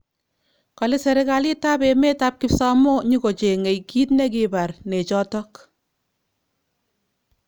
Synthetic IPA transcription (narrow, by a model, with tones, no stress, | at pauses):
kɑ˨le˦sɛ˨ɾe˦ka˨li˦ta˦be˨me˦ta˦p̚ki˦psa˦mo˦ɲi˦ko˨t͡ʃe˨ŋe˨jki˦tne˦ki˨ba˨rne˨t͡ʃɔ˦tɔ˦k